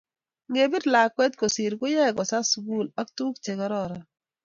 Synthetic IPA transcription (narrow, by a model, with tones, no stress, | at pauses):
ŋe˨bi˦dla˨kwɛ˦tko˨sɪ˨ɾɡʊ˦jɛ˦˨ɡɔ˨sa˦sɡu˦˨la˦ktu˦kt͡ʃe˨ɡɔ˦ɾɔ˦ɾɔ˨